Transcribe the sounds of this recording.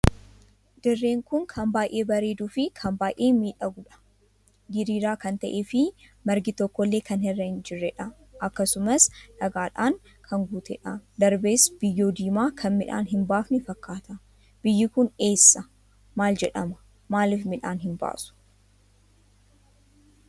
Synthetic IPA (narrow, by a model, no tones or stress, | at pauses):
d̪ɪrːe̞ːŋkʊŋkʰɐmbaːjʔe̞ːbɐɾe̞ːd̪uːfɪkʰɐmbaːjʔeːmiːᶑɐɡʊᶑɐ̥ | d̪ɪɾiːɾaːkɐnt̪ɐʔeːfɪ | mɐɾɡɪt̪ɔkːɔlːe̞ːkɐnɦɛrːɐɪnd͡ʒɪrːɛᶑɐ | ɐkːɐsʊmɐsᶑɐɡaːᶑaːŋ | kʰɐŋɡut̪ʰɛᶑɐd̪ɐɾbeːsb̥ɪjːo̞ːd̪iːmaːkʰɐnmɪᶑa̰ːnɦɪmbaːfnɪfɐkːaːt̪ɐ | b̥ɪjːɪkʊne̞ːsːɐ | maːld͡ʒɛᶑɐmɐ̥ | maːlɪfmɪᶑaːnɦɪnba̰ːsʊ̥